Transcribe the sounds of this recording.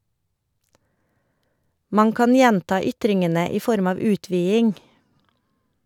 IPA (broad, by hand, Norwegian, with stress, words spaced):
ˈmɑn ˈkɑn ˈjɛntɑː ˈʏtɾɪŋənə ˈiː ˈfɔɾm ˈɑːʋ ˈʉːtʋiːɪŋ